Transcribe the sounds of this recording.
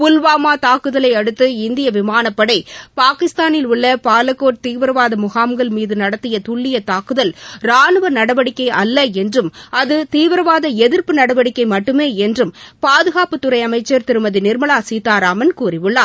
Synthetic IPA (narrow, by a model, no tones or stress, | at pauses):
pʊlʋaːmaːt̪aːkɯðɐlɐɪɐɽɯt̪ːɯɪnd̪ɪjɐʋɪmaːnɐpːɐɽɐɪpaːkɪst̪aːnɪlʊɭːɐpaːlɐkːoːʈ̚t̪iːʋɐɾɐʋaːðɐmʊɣaːmɡɐɭmiːðɯnɐɽɐt̪ːɪjɐt̪ʊɭːɪjɐt̪aːkɯðɐlɾaːnɯʋɐnɐɽɐʋɐɽɪkːɐɪʔɐlːɐɛndrɯmʔɐðɯt̪iːʋɐɾɐʋaːðɐɛðɪɾpɯnɐɽɐʋɐɽɪkːɐɪmɐʈːɯmeːɛndrɯmpaːðɯɣaːpɯt̪ːʊɾɐɪɐmɐɪt͡ʃːɐɾt̪ɪɾɯmɐðɯnɪɾmɐɭaːsiːt̪aːɾaːmɐnkuːrɪʋɯɭːaː